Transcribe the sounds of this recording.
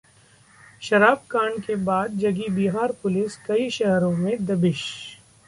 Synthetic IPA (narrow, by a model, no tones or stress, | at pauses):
ʃɐɾaːb̚kaːɳkebaːd̪̚d͡ʒɐɡibiːɦaːɾpʊlɪskɐiʃɐɦɾõmẽd̪ɐbɪʃ